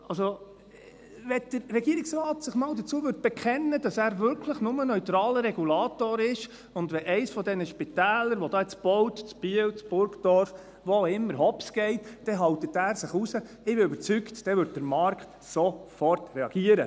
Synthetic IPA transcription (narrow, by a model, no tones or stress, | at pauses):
ɑlso | ʋɛd̥əɾrɛɡiəɾɪksrɑːtsɪχmɑːldət͡suəvʏɾt̚b̥ɛkχɛnːəd̥ɑsæːɾvʏɾkʰləχnʊmənœʏtɾɑːləɾɛɡulɑːtoːɾɪʃ | ʊndʋɛʔɛɪsfɔdɛnəʃpit̪æːləɾʋɔdɑːɛt͡sb̥ɔwtt͡sb̥iəwt͡sb̥ʊɾkd̥ɔɾf | ʋoɪmːəɾɦɔpsɡ̥ɛɪtd̥ɛɦɑwtətæːɾsɪχusə | ɪbɪøbəɾt͡syktd̥ɛvʏɾd̚d̥əɾmɑɾkχt | sofɔrtrɛɑɡ̥iəɾə